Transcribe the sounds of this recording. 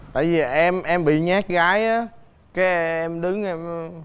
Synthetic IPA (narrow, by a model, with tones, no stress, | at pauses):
t̪a̰ː˧˨jvi˨˩ʔɛ˧mʔɛ˧mɓḭ˧˨ɲaː˦˥k̚ɣaː˨˦jʔaː˨˦ | kaː˨˦jʔɛ˧mɗɨ˨˦ŋʔɛ˧m